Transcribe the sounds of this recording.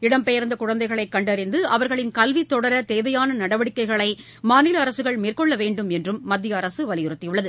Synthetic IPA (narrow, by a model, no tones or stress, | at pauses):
ɪɽɐmpɛjɐɾnd̪ɐkʊɻɐnd̪ɐɪɣɐɭɐɪkːɐɳɖɐɾɪnd̪ɯʔɐʋɐɾɣɐɭɪnkɐlʋit̪ːɔɽɐɾɐt̪eːʋɐjaːnɐnɐɽɐʋɐɽɪkːɐɪɣɐɭɐɪ | maːnɪlɐːɾɐsɯɣɐɭmeːrkɔɭːɐʋeːɳɖɯmɛndrɯmːɐd̪ːɪjɐːɾɐsɯʋɐlɪjɪɾɯt̪ːɪjɯɭːɐðɯ